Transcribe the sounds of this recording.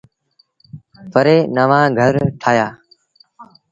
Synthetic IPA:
pəɾeːnəːʋãːɡʱəɾʈʰaːjaː

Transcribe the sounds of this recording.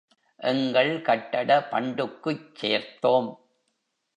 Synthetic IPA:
ʔɛŋɡɐɭkɐʈːɐɽɐpɐ̰ɳɖɯkːɯt͡ʃːeːɾt̪ːoːm

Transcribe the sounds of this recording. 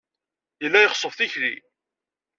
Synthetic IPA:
jəlːæjəχsˤəfθiçɾḭ

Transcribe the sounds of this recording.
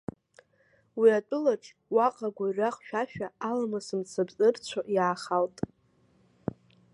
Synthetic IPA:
wiat͡pʼʊlaʈ͡ʂʼ | waqʼaɡʷaraχʃᶣaʃᶣaːlamasɨmt͡sʰabt͡sʼɨrt͡ɕʷʰoʔjaːχaltʼ

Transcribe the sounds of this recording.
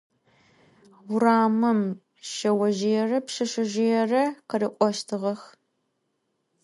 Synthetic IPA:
wʊɾaːmɨm | ʃɐwɐʒejɛrɐpʂɐʂɪʒɪjɛrɐqəɾɨqʷʼɔʃtʰɨʁɐx

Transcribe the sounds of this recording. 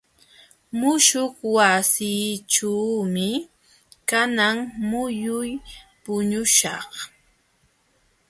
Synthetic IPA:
mʊʃoχwasiːʈ͡ʂawmɪ | kanaŋmʊjʊjpʊɲʊʃɑχ

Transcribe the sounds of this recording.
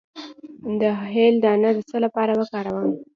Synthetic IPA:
d̪əɦeld̪əanad̪əsəlapɑɾabakɑɾawəm

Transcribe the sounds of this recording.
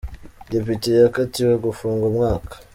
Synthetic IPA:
depitejakatiweɡufuːŋɡumŋaːkḁ

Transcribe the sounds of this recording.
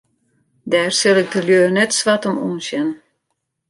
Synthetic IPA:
dɛːrsɪlˠɪk̚dəljøːrnɛtsʋatɔmṵːnsjɛn

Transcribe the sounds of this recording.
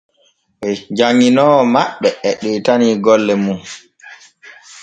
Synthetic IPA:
ɓɛd͡ʒaŋːinɔːmaɓːɛɛɗɛtaniɡɔlːɛmun

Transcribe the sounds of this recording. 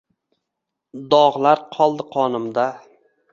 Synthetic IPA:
d̪ɒʁlaɾqʰɒlˠd̪ɪqʰɒnɪmd̪a

